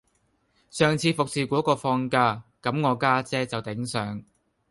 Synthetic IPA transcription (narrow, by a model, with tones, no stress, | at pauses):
sœː˨˩ŋt͡sʰiː˨˧˥fʊ˨k̚siː˨˩kʷɔː˨˥kɔː˧fɔː˧ŋkaː˧kɐ˨˥mŋɔː˨˧kaː˥t͡sɛː˥t͡sɐ˨wt̪ɪ˨˥ŋsœː˨˥ŋ